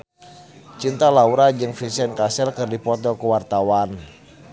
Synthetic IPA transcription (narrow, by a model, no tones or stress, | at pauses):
t͡ʃint̪alauɾad͡ʒɨŋfisɛnkasɛlkɨrdipɔt̪ɔkuwart̪awan